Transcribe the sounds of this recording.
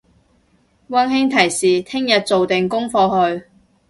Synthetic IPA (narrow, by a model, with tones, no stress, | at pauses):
wɐ˥nhɪ˥ŋt̪ʰɐ˨˩jsiː˨t̪ʰɪ˥ŋjɐ˨t̚t͡so˨wt̪ɪ˨ŋkʊ˥ŋfɔː˧hɵ˧ɥ